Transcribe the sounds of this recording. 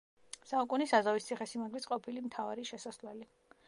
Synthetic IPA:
saukʼunisazavist̪sʰiχɛsimaɡlit̪sʼqʼɔpʰilimt̪ʰavaɾiʃɛsaslwɛli

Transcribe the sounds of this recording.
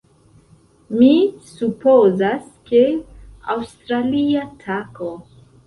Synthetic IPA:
misupozaskea̰wstɾaliatʰako

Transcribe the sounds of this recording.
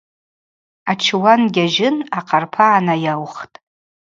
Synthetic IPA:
at͡ʃʰwanɡʲaʒɪnaqʰarpʰaːnajawχtʼ

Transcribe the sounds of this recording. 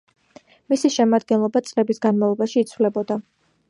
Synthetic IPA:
misiʃɛmad̪̚ɡɛnlˠɔbat̪sʼlɛbisɡanmavlˠɔbaʃiːt̪sʰvlɛbɔd̪a

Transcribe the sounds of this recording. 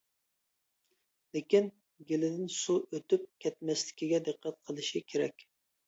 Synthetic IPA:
lɪkʲin | ɡʲelɪd̪ɪnsuʔøt̪yp̚kʲʰɛt̪̚mɛslɪ̥kʲiɡʲɛd̪ɨqːæt̪̚qʰəlˠɨʃikʲʰeɾɛ̰kʲ

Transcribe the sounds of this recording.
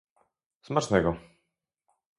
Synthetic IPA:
smat͡ʂnɛɡɔ

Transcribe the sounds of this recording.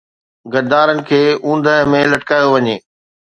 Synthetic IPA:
ɡɐd̪aːɾənɪ̆kʰeːũːn̆d̪əɦəmẽlɐʈkaːjoʋɐɲeː

